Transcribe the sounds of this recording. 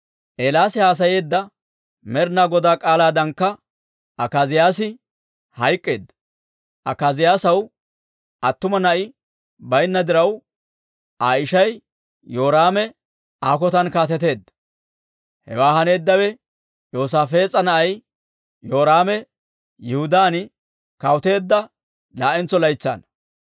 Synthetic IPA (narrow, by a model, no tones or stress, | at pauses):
ʔeːlaːsɪhaːs̬ɐje̞ːd̪ːɐ | mɛɾnaːɡɔd̪aːkʼaːlaːd̪ɐŋkːɐ | ʔɐkaːzɪjaːsɪ | hɐjkʼːe̞ːd̪ːɐ | ʔɐkazɪjaːsɐw | ʔɐt̪ːʊmɐnɐʔɪ | bɐjnːɐd̪ɪɾɐw | ʔaːɪʃɐj | jo̞ːɾaːmɛ | aːk̬ɔt̪ɐnkaːt̪ɛt̪e̞ːd̪ːɐ̥ | hɛ̰waːɦɐne̞ːd̪ːɐwɛ | jo̞ːs̬aːfe̞ːt͡sʼːɐnɐʔɐj | jo̞ːɾaːmɛ | jɛhʊd̪aːn | kɐwt̪e̞ːd̪ːɐ | laːʔɛnt͡sːɔlɐjt͡sːa̰ːn